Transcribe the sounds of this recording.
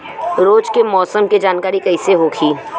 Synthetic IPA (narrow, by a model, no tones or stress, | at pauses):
ɾoːd͡ʒkemɔːsəmked͡ʒaːnkaːɾikɐɪseɦoːkʰiː